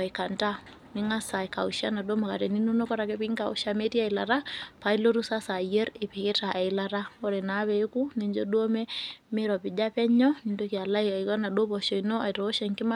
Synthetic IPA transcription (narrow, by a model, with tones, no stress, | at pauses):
a˨i˨ka˨nta˦ | ni˦ŋa˦sa˨ka˨uʃa˦na˨ɗo˦ma˨ka˨ɾɛ˨ni˦no˦no˦kɔ˦ɾa˨kɛ˦pi˦ŋka˨ṵ˦ʃa˦me˦ti˦a˦i˨la˨ɾa˦pa˨i˦lo˦ɾu˦sa˦sa˨jɛ˦ɾe˨pe˨ke˦ta˨ʔa˨i˦la˦ɾa˦ɔ˦ɾɛ˨na˨˦βɛ˨˦ku˦ne˨ɲd͡ʒɔ˦do˦mɛ˦me˦ɾɔ˨pi˨d͡ʒa˦pɛ˦ɲɔ˦ni˨ndo˦ki˨a˨la˦ia˨i˨kɔ˦na˨ɗo˦pɔ˨ʃɔ˨inɔ˦a˨iɾɔ˨o˦ʃa˨ŋki˦ma˦